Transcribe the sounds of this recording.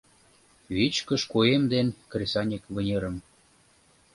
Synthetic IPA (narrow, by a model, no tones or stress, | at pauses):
βit͡ɕkəʃkuemd̪enkresɑnʲekβə̆nʲeɾə̆m